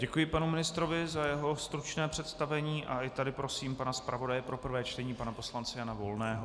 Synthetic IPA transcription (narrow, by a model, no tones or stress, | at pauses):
ɟɛkujɪpanumɪnɪst̪ɾovɪzajɛɦo̞st̪ɾut͡ʃnɛːpr̝̥ɛt̪st̪avɛɲiːʔaʔɪt̪adɪpɾo̞siːmpanaspɾʔavo̞dajɛpɾo̞pr̩vɛːt͡ʃt̪ɛɲiːpanapo̞slant͡sɛjanavo̞lnɛːɦo